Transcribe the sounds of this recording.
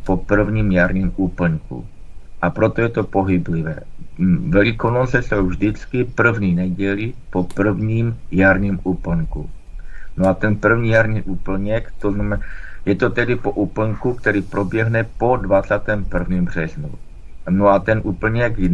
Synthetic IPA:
popr̩vɲiːmjaɾɲiːmupl̩ŋkṵ | ʔapɾot̪ojɛt̪o̞po̞ɦɪblɪvɛ̰ːvɛlɪkonot͡sɛsowvʒdɪt͡skɪpr̩vɲiːnɛɟɛlɪpo̞pr̩vɲiːmjaɾɲimupl̩ŋku | noat̪ɛnpr̩vɲiːjaɾɲiːʔupl̩ɲɛkt̪oznamjɛt̪ot̪ɛdɪpoʔupl̩ŋkuk̚t̪ɛɾiːpɾo̞bjɛɦnɛpo̞dvat͡saːt̪ɛːmpr̩vɲimbr̝̥ɛznṵ | noat̪ɛnʔupl̩ɲɛk

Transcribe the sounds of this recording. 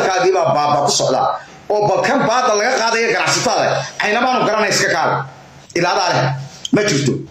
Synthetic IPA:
lkʰaːɣɪβabaːbɐkʰʊsɔʕd̪a̰ː | ɔːbɐlkʰɐnbaːd̪ɐlɐɣɐqɑːðɐjɔɡɐnɑʕsɐt̪ʰɐðɐ̰ʕɑjnɐβaːnʊɡɐɾɐnɛɪskʰɐkʰaːl | ɪlaːðaːlɛmɐt͡ʃɪrt̪ʰɔ

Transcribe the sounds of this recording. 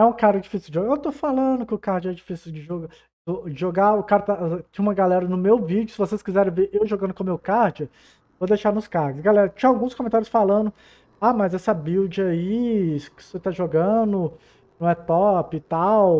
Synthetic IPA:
ɛũkaɾɐd͡ʒifisuwd͡ʒɪʒoɡaewt̪ofalɐ̃d̪ʊkɪʊkaɾd͡ʒɪɛd͡ʒifisiwd͡ʒɪʒoɡ | oɪʒoɡaʊkaɾɐt̪at͡ʃ̪ẽj̃ũmɐɡalɛɾɐnʊmewvid͡ʒʊsɪvoseskizɛɾẽj̃veɾʔewʒoɡɐ̃nʊkõmewkaɾd͡ʒɐ | vod̪ejʃaɾnʊskaɾɡʊsɡalɛɾɐt͡ʃĩɲɐawɡũskomẽt̪aɾjʊsfalɐ̃nd̪ʊ | amɐzɛsɐbiwd͡ʒɪɐikset̪aʒoɡɐ̃nʊ | nɐ̃w̃ɛt̪ɔpɪt̪aw

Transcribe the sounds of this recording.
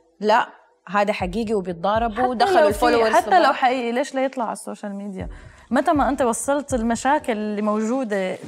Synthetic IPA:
laʔ | ɦaːd̪aħaɡiːɡiwbjɪt̪̚d̪ˤɑːɾˤɑbad̪aaflħat̪ːalawħaʔiːʔileːʃlajɨt̪ˤlɑʕɪsːoːʃalmiːd̪ija̰ | mat̪amaʔɪnt̪ewɑsˤːɑlt̪ɪlmaʃaːkɪllːimawʒuːd̪e

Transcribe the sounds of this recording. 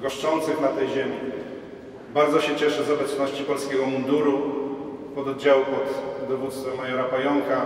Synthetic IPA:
ɡɔʂt͡ʂɔnt̪sɘxnat̪ɛjʑemʲi | baɾd̪zɔɕɛt͡ɕɛʂɛzɔbɛt̪snɔɕt͡ɕipɔlskʲɛɡɔmund̪uɾu | pɔd̪ɔd̪̚d͡ʑawupɔt̪d̪ɔvut̪st̪fɛmːajɔɾapajɔŋka

